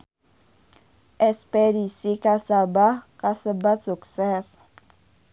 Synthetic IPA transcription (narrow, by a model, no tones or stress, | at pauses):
ɛspeɾisikasabakasəbat̪suksɛs